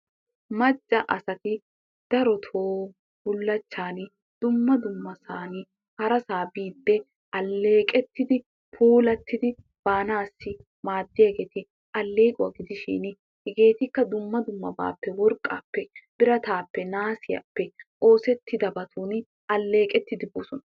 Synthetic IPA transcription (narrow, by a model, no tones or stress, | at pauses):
mɐd͡ʒʼːɐʔɐsɐt̪ɪ | d̪̥ɐɾɔt̪ʰoː | bʊlːɐt͡ʃːaːn | d̪̥ʊmːɐd̪ʊmːɐsaːnɪ | hɐɾɐsaːbiːd̪ːɛ | ʔɐlːeːkʼɛt̪ːɪd̪ɪ | pʰuːlɐt̪ːɪd̪ɪ | b̥aːnaːsːɪ | maːd̪ːɪjɐɡeːt̪ɪ | ʔɐlːe̞ːkʼʊwaːɡɪd̪ɪʃḭːn | hɛɡe̞ːt̪ɪkːɐd̪ʊmːɐd̪ʊmːɐ̰ba̰ːpːɛwɔɾkʼːa̰ːpːɛb̥ɪɾɐt̪aːpːɛnaːsɪjɐ̰pːɛʔo̞ːsɛt̪ːɪd̪ɐbɐt̪ʰuːn | ɐlːeːkʼɛt̪ːɪd̪ɪboːsɔnɐ